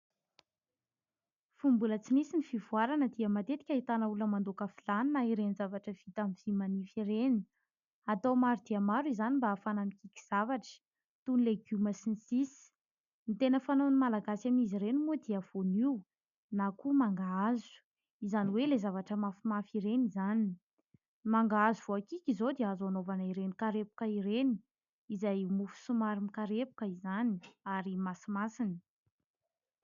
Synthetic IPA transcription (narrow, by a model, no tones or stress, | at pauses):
fumbulət͡sinisinifivuaɾanəd̪iəmat̪et̪i̥kʲait̪anəuləmand̪okafilaninaiɾenzavaʈ͡ʂəv̥it̪amiv̥imanifiɾeni̥ | at̪owmaɾid̪iəmaɾuizanimbaːfanamikʲikʲi̥z̥avaʈ͡ʂə̥ | t̪unileɡuməsinisisi̥ | nit̪enəfanonimalaɡasamiziɾenumod̪iav̥oniw | nakumaŋɡaazu̥ | izaniwelezavaʈ͡ʂəmafimafiɾenizani | maŋɡaazuv̥oakikʲizod̪eazanovanaiɾenikaɾepu̥kəiɾeni̥ | izajmufu̥sumaɾimikaɾepu̥kəizaniaɾimasimasini̥